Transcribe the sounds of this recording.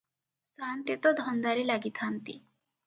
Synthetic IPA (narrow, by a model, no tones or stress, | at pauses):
sant̪jet̪ɔd̪ʱɔnd̪aɾilaɡit̪ʰant̪ḭ